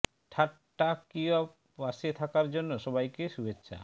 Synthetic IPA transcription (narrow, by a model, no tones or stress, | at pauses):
ʈʰaʈ | ʈːakiap | aʃet̪ʰakaɾd͡ʑonːoʃɔbajkeʃubetːɕʰa̰